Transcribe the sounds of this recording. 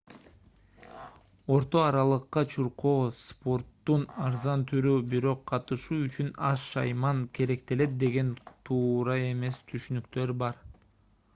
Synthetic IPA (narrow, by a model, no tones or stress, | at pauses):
o̞ɾt̪o̞ɑɾɑlˠɯqːɑt͡ʃʰuɾqoːspo̞rt̪ːunɑɾzɑnt̪ʰyɾyːbiɾo̞qʰːɑt̪ɯʃuːyt͡ʃynɑsʃɑ̰jmɑŋkʲʰe̞ɾe̞k̚t̪e̞le̞t̪̚d̪e̞ɡe̞nt̪ʰuːɾɑe̞me̞st̪ʰyʃynykt̪ø̞ɾbɑɾ